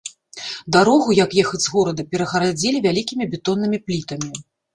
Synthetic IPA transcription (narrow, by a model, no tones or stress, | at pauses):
d̪aɾɔɣujɐkjɛxɐd͡zʲzɣɔɾɐd̪ɐpʲɛɾɐɣɐɾad͡zʲelʲivʲalʲikʲimʲibʲɛt̪ɔnːɨmʲiplʲit̪ɐmʲi